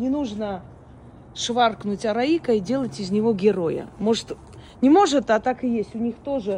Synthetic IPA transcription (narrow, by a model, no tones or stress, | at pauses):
nʲɪnuʐnə | ʂvarknʊtʲɐɾɐikəidʲe̞lˠətʲɪzʲnʲɪvo̞ɡʲɪɾo̞jə̰mo̞ʐɨt̪ | nʲɪmo̞ʐɨt̪at̪akɨjesʲtʲʊnʲixt̪o̞ʐɨ